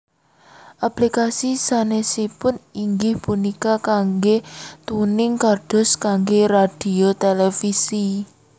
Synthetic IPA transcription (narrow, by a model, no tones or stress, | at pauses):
ʔaplikasisanesipʊniŋɡɪhpunikakaŋɡet̪unɪŋkaɖ̥ɔ̤skaŋɡerad̥i̤ot̪elefisi